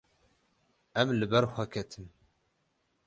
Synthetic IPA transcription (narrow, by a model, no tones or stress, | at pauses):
æmlbæɾˤxʷækæt̪ʰəm